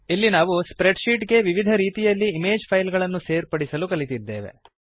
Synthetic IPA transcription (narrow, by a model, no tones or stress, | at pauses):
ilːinaːʋuspɾeɖʃiːʈɡe̞ʋiʋid̪ʱɐɾiːt̪ijɐlːiːmeːd͡ʒpʰɐjlɡɐɭɐnːuse̞ːɾpɐɽisɐlukɐlit̪id̪ːeːʋe̞̰